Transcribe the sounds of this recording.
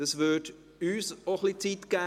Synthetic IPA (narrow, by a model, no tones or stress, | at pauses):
əsvʏd | yːsoχlit͡sitɡ̥ɛː